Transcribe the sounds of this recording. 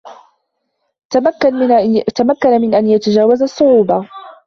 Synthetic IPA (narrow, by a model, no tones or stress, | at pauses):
t̪amakːanamɪnʔanjat̪ad͡ʒaːwazasˤːʊʕuːbɑ